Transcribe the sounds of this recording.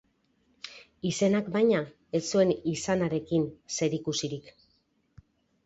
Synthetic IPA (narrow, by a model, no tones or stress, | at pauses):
ise̞nakbajɲa | e̞sue̞nisanaɾe̞kinse̞ɾikusiɾik